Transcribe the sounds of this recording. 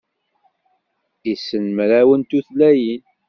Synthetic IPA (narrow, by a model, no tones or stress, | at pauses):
isːənmɾæwənt̪uθlæjin